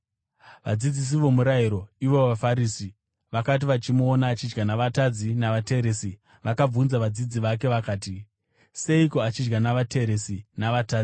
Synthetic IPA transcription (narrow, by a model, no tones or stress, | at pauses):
ʋa̰d͡zid͡zis̬iʋo̞muɾaiɾo̞iʋo̞ʋafaɾiːsi | ʋakat̬iʋat͡ʃimuonaːt͡ʃid͡ʒɡanaʋatad͡zinaʋate̞ɾesi | ʋakab͡vunzaʋad͡zid͡ziʋak̬e̞ʋakaːti | se̞ikoat͡ʃid͡ʒɡanaʋate̞ɾe̞sinaʋataːd͡zi